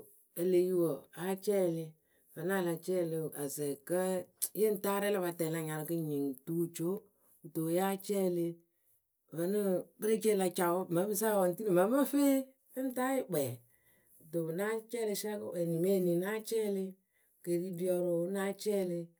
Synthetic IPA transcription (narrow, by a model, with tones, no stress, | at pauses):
e˨le˨ju˦wo˨a˨˦t͡ʃɛ˦˨lɪ˧ | və˨n˦a˦˨la˨t͡ʃɛ˦˨le˧˨a˨zɛ˨kə˦je˦n˦ta˦ɾɛ˦la˦βa˨tɛ˨la˧ɲa˨ɾkə˦ɲi˨ŋtuː˦t͡ʃo˦ | u˨to˨ja˦t͡ʃɛː˦le˧ | və˨˦nə˦bə˦ɾe˦t͡ʃe˦la˧t͡ʃa˨wmə˨˦bə˦s̬a˦˨wɔ˨n˨ti˦le˨ma˨˦mə˦fe˦ | ə˦n˦ta˦ɪ˦ɡ͡bɛ˨ | to˨na˦t͡ʃɛː˦le˧˦ʃɛ˦kə̰˦wɛ˨ni˨me˦˨ni˨na˦t͡ʃɛ˦lɪ˦ | ke˨ki˦bi˦ɔ˧ɾo˨˦na˦t͡ʃɛː˦le˧